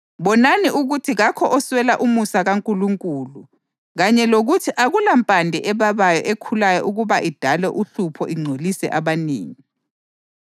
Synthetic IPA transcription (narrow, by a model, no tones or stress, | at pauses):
βɔnaniʔuɣutʰiɣakʰɔʔɔswɛlaʔumusaɣaŋkʼuluŋkʼuːlu | ɣaɲɛloɣutʰiʔaɣulampʼandʱɛʔɛβaβajɔ̰ʔekʰulajɔʔuɣuβaʔid̥ʱalɛʔuɬupʰɔʔiŋ͡ǀʱolisɛ̰ʔaβanḛːŋi